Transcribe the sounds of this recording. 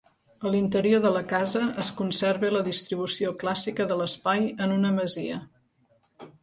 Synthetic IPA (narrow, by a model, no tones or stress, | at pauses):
əlint̪əɾioðələkazəəskunseɾβeləðist̪ɾiβ̞usioklasikəðələspajənunəməziə